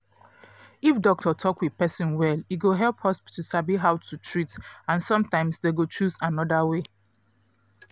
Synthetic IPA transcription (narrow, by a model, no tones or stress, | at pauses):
ifdɔk̚tʰɔtʰɔkwiðpɛsĩnwɛliɡoɦɛlphɔspi̥tʰusabiɦaʊtʰutʰɹitãnsɔ̃mtãɪ̃msdeɡot͡ʃuzãnɔdawe